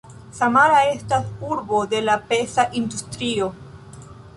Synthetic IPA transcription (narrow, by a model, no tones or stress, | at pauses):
samaɾae̞stasuɾbo̞de̞lapesaʔindustɾio